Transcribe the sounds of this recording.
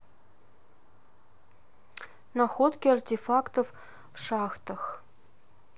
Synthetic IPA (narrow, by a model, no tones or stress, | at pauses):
nɑxot̪kʲeɑrt̪ʲefɑkt̪of | fʃɑxt̪ɤ̆x